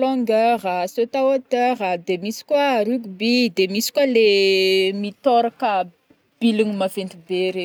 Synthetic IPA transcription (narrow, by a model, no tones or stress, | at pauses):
loŋɡarasot̪awat̪arad̪emisi̥kwaɾiɡubid̪emisi̥kwalemit̪ɔɾakə | b̥iliŋimavent̪ibeɾe